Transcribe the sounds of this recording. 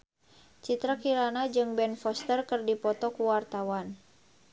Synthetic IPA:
t͡ʃit̪ɾakiɾanad͡ʒɨŋbɛnfɔst̪ərkərdipɔt̪ɔkuwart̪awan

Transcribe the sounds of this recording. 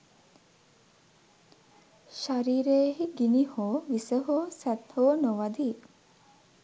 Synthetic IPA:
ʃaɾiːɾeːɦiɡinihoːʋisəɦoːsæt̪hoːnoʋad̪i

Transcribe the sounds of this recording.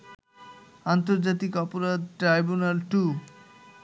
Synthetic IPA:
ant̪oɾd͡ʑat̪ikɔpoɾad̪̚ʈɾajbunalʈu

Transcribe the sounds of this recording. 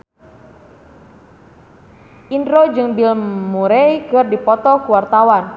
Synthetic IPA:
ʔindɾod͡ʒɨŋbilmuɾɛjkɨrdipɔt̪ɔkuwart̪awan

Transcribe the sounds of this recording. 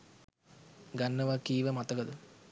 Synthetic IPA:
ɡanːəʋakiːʋəmat̪əkəd̪ə

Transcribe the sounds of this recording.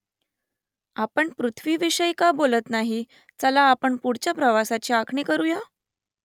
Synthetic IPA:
apəɳpɾut̪ʰʋiːʋiɕəjkabolət̪naɦi | t͡səlaːpəɳpuɽt͡ɕjapɾəʋasat͡ɕiakʰɳikəɾuja

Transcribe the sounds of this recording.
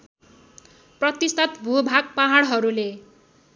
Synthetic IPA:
prʌt̪ist̪ʰʌt̪bʱubʱaɡ̚paɦaɽɦʌɾule

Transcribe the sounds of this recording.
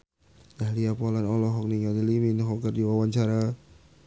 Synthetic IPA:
daɦliapɔlanɔlɔɦɔk̚niŋadiliminɦɔkərdiwawaɲt͡ʃaɾa

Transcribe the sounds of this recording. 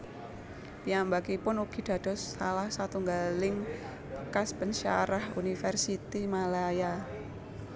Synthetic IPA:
piambakipʊnuɡ̥i̤d̥a̤d̥ɔ̤sːalahsat̪uŋɡalɪŋ | b̥ə̥kaspənʃa̰ɾahṵnifərsit̪imalaja

